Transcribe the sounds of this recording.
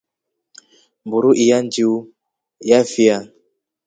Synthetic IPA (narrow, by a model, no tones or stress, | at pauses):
mbuɾuʔijand͡ʒiu | jafia